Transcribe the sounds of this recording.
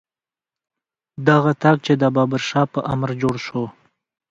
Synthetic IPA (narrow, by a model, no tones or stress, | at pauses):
d̪aɣat̪ɑk̚t͡ʃed̪əbɑbaɾʃɑpəʔamɾd͡ʒoɽʃo